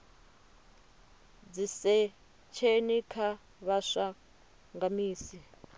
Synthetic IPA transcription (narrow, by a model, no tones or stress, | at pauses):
d͡zisɛ | t͡ʃʰenikʰa | βaʂa | ŋɡamiːsi